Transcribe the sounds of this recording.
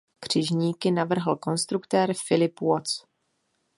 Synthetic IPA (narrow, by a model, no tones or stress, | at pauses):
kr̝̥ɪʒɲiːkɪnavr̩ɦl̩ko̞nst̪ɾukt̪ɛɾfɪlɪpwot͡s